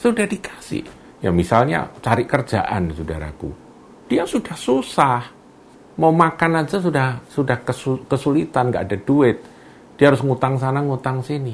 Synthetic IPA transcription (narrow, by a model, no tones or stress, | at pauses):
sudahdikʰḁsɪ̰h | ja̰misalɲa̰t͡ʃaɾɪʔkərd͡ʒa̰ʔa̰nsudaɾa̰kṵ | d̥iasudahsusah | maumakanand͡ʒas̬udahsudahkəsukəsulit̪anɡa̰ʔadad̥uɪt̪̚ | d̥iaɦaɾʊsŋut̪aŋsanaŋut̪aŋsini